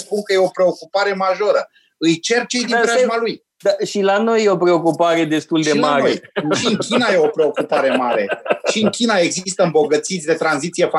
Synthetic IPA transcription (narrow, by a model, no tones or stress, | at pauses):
spuŋkəje̞o̞pɾe̞o̞kupaɾe̞maʒo̞ɾə | ɨjt͡ʃe̞rt͡ʃe̞jd̪iizmaluj | d̪aʃilano̞jːeo̞pɾe̞okupaɾe̞d̪e̞st̪uld̪e̞maɾeo̰jʃiɨŋkʲinaje̞o̞pɾe̞o̞kupaɾe̞maɾe̞̰ʃiɨŋkʲinae̞ɡzist̪əɨmbo̞ɡət̪sit̪sʲd̪e̞t̪ɾanzit̪sijefa